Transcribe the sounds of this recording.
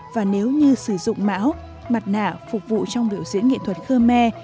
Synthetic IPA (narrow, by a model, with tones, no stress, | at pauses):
vaː˨˩ne˨˦wɲɨ˧sɨ˧˩zʊ̰˧˨ŋ͡mma̰ː˧˥w | ma˨˩t̚na̰ː˧˩fʊ˨˩k͡p̚vṵ˧˨t͡ɕɔ˧wŋ͡mɗi˨˩əwzḭ˧˥ənŋḭ˧˨t̪ʰwə˨˩t̚xəː˧mɛ˧